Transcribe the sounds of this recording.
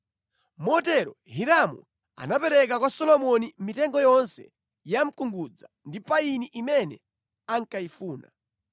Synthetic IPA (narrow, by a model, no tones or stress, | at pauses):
mɔtɛɾɔhiɾamṵ | a̰napɛɾɛk̬akwasɔlɔmɔnim̩mitɛŋɡɔjɔnsɛ | jam̩kuŋɡud͡za | ndipainiʔimɛnɛ | aŋkaifuːna̰